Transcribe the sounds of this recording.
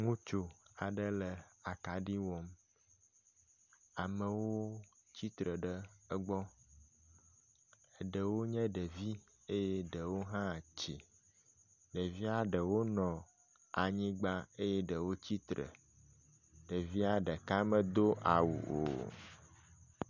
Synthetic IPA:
ŋũ˦t͡ʃo˨a˨ɖə˦lə˨a˨ka˨ɖi˦wɔ˨m | a˨mə˨woo˦t͡ɕi˦t̪ɾə˨ɖə˦ə˦ɡ͡bɔ˦ | ə˨ɖə˨wo˦ɲɛ̃˦ɖə˨vi˦ | e˦je˦ɖə˨wo˦ɦã˦t͡ɕḭ˨ | ɖə˨vi˦a˨ɖə˨wo˦nɔ̃˨ | a˨ɲĩ˦ɡ͡ba˦e˦je˦ɖə˨wo˦t͡ɕi˦t̪ɾə̰˨ | ɖə˨vi˦a˨ɖə˨ka˦mə̃˦d̪o˦ʔa˨wṵ˨ʔo̰˨

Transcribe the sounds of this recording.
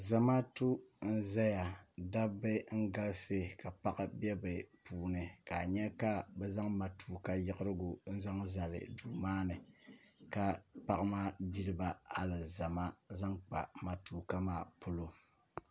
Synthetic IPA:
za˨ma˦tu˦n̩˦za˦ja˨da˦bɨ˦ŋ̩˦ɡa˦lsɨ˦ka˨pa˦ʔɨ˦bɛ˦bɨ˨pʰuː˨nɨ˨ka˨ɲɛ˦ka˦bɛ˦za˦ŋma˨tʰuː˨ka˦jɪ˦ʔɨ˦ɾɨ˦ɡu˨n̩˦za˦ŋza˨lɨ̰˨duː˨maː˦nɨ˨ka˦pa˨ʔɨ˦maː˦di˦ɾɨ˦ba˦a˨lɨ˨za˨ma˦za˦ŋk͡pa̰˨ma˨tuː˨ka˦maː˦˨pu˦lo˨

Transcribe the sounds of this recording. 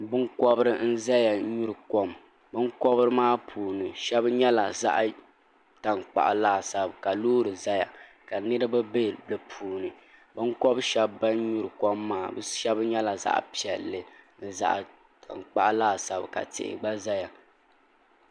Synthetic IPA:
bɨ˦ŋkɔ˦bɨ˦ɾɨ˦n̩˦za˦ja˨˦ɲu˦ɾɨ˨ko˦m | bɨ˦nkɔ˦bɨ˦ɾɨ˦maː˦pʰuː˨nɨ˨ʃɛ˦bɲɛ˦la˨za̰˦ʔ | ta˨ŋk͡pa̰˨ʔa˨laː˦˨sa˨bka˨loː˦ɾɨ˨za˦ja̰˨ | ka˨nɨ˦ɾɨ˦ba˦be˦˨lɨ˨pʰuː˨nɨ˨ | bɨ˦ŋkɔ˦bʃɛ˦bːa˦nɲu˦ɾɨ˨kɔ˦mːaː˦˨bɨ˦ʃɛ˦bɲɛ˦la˨za̰˦ʔpi˨ɛ˨lːɨ˨n̩˦˨za̰˨ʔ | tʰa̰˨nk͡pa˨ʔlaː˦˨sa˨bka̰˨tɪ̰˨ʔɪ̰˨ɡ͡ba˦za˦ja˨

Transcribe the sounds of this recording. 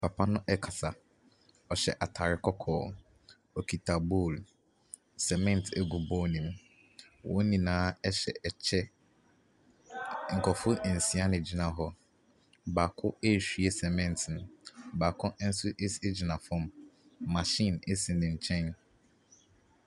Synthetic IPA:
pʰa˨pʰa˦nʊ̃˦ʔɛ˦kʰa˨sa˨ | ɔ˨ɕɛ̰˨ʔa˨tʰa˨ɾɪ˦kʰɔ˦kʰɔː˨ | o˨kʰi˨tʰa˨bu˦˨l | sɛ˨mɛ̃˦˨n˨tʰe˦ɡu˨bɔː˦nĩ˨m | wʔɔ̰̃˦nĩ˨nãː˨˦ɛ˦ɕɛ̰˨ʔɛ˨t͡ɕʰɛ˦ | ŋ̩˨kʰɔ˨fʊ˦˨n̩˨si˨a˦nɪ̃˨d͡ʑi˨nã˨ɦɔ˦ | baː˨kʰʊ˦e˦˨ɕᶣi˨e˦sɛ˨mɛ̃˦n˨tʰnʊ̃˨ba˨kʰʊ̃˦ʔn̩˦su˦ʔe˦se˦d͡ʑi˨nã˨fʊ̃˦mːã˨ʃĩ˦˨ne˦sĩ˨nɪ̃˨ɲ̩˨t͡ɕʰɛ̃˦n

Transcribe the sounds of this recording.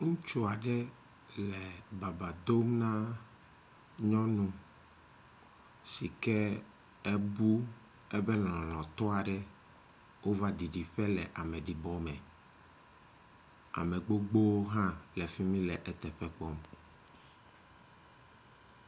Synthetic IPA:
ŋũ˦t͡ʃo˦a˨ɖɛ˦ | lɛ˨ba˨ba˨d̪o˦mnã˦ | ɲɔ̃˦nũ˦ | si˨kɛ˦ | ɛ˦bu˦ | ɛ˦bɛ˦lɔ̃˨lɔ̃˨t̪ɔ˦a˨ɖɛ˦ | wo˦va˦ɖi˨ɖi˨ɸɛ˦lɛ˨ʔa˨mɛ̃˨ɖi˨bɔ˦mɛ̃˨ | a̰˨mɛ˨ɡ͡bo˦ɡ͡bo˦wo˦ɦã˦lɛ˨fi˦mĩ˦lɛ˨ʔɛ˨t̪ɛ˨ɸɛ˨k͡pɔ˦m

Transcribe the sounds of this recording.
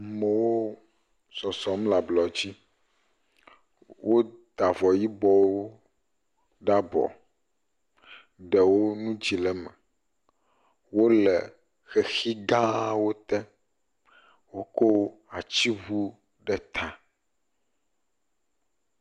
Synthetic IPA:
mɛ˨wo˦ | sɔ˨sɔ˨˦mla˨blɔ˨d͡ʑi˦ | wʔo˦d̪a˨vɔ˨ji˦bɔ˦wo˦ | ɖa˦bɔ̰˨ | ɖɛ˨wo˦nũ˦d͡ʑi˨lɛ˨mɛ̰̃˨ | wo˦lɛ˨ | xɛ˨xi˦ɡã˦wo˦t̪ɛ̃˦ | wo˦ko˦wa˨t͡ɕi˦βu˦ | ɖɛ˦t̪ʰã˨

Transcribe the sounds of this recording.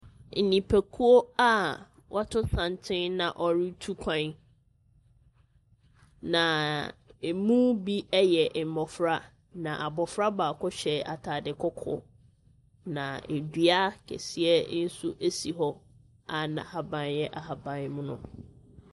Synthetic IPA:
n̩˨nĩ˨pʰæ˨kʰu˦o˦a˦ | wʔa˦tʰʊ̃˦sã˨ntʰɪ̃˦nnã˨ʔɔ˨ɾi˦tʰu˦kʷʰã˦n˦ | nã˨e˨mũ˦bi˦ɛ˦jɛ˨ʔ̩˨mɔ˨fɾa˦ | nã˨ʔa˨bɔ˨fɾa˦baː˨kʰɔ˦ɕɛ˨a˨tʰa˨dɪ˨kʰɔ˦kʰɔ̰˦ | nã̰˨e˨dɥa˦kʰɛ̰˨si˦ɛ˦n̩˦su˦ʔe˦si˨ɦɔ˦ | a˨nã̰˨ha˨bã˨njɛ˦ʔa˨ɦa˨bã˨n˦mʊ̃˦nʊ̰̃˦

